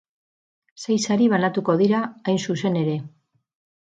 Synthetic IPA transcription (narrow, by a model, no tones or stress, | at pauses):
sajsaɾiβanat̪uko̞ðiɾaːjnsuse̞ne̞ɾe̞